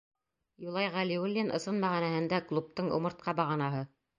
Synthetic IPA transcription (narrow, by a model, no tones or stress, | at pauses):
julˠɑjʁælʲiulʲːenʔɤ̆sɤnmæʁænæhɘ̆nd̪æklˠup̚t̪ɤɴṵ̆mɤ̆ɾt̪̚qɑbɑʁɑnɑɦɤ